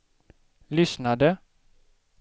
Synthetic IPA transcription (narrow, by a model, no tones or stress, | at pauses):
lʏsnad̪ə